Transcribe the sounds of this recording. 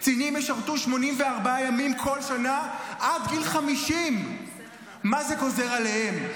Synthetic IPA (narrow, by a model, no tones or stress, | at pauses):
t͡sinimjeʃaʁt̪uʃmo̞nimveaʁbaajamimkʰo̞lʃanaʔadɡilχamiʃimː | azeko̞ze̞ʁalehe̞m